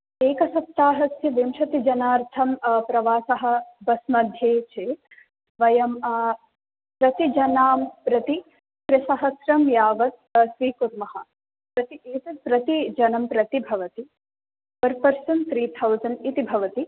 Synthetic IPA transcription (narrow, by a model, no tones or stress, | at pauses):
eːkɐsɐp̚t̪aːɦɐsjɐʋimʃɐt̪id͡ʒɐnaːɾt̪ʰɐmpɾɐʋaːsɐɦɐ̆bɐsmɐd̪ʱjeːt͡ʃeːt̪ | ʋɐjɐm | pɾɐt̪id͡ʒɐnaːmpɾɐt̪i | kɾɪsɐɦɐsɾɐmjaːʋɐt̪̚sʋiːkuɾmɐɦɐ̰̆ | pɾɐt̪ieːt̪ɐpɾɐt̪id͡ʒɐnɐmpɾɐt̪ibʱɐʋɐt̪i | pɐɾpɐɾsɐnt̪ɾiːt̪ʰɐwzɐnit̪ibʱɐʋɐt̪i